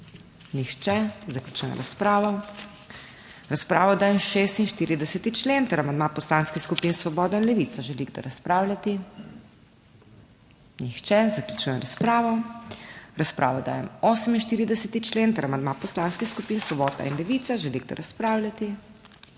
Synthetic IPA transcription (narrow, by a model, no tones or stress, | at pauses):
nixt͡ʃɛzaklʲut͡ʃujɛ̰mɾaspɾaːʋɔ | ɾaspɾaːʋɔd̪aːjɛmʃeːst̪inʃt̪iːɾid̪ɛsɛt̪it͡ʃlent̪əɾamand̪mapɔslaːnskixskupiːnsʋɔbɔːd̪ainlɛʋit̪saʒɛliɡd̪ɔ̰ɾaspɾaːwlʲat̪i | nixt͡ʃɛzaklʲut͡ʃujɛmɾaspɾaːʋɔ | ɾaspɾʔa̰ːʋɔd̪a̰ːjɛmoːsəminʃt̪iːɾid̪ɛsɛt̪it͡ʃleːnt̪ɛɾamand̪mapɔslaːnskixskupiːnsʋɔbɔːd̪a̰inlɛʋiːt̪saʒɛliɡd̪ɔ̰ɾʔaspɾaːwlʲjat̪i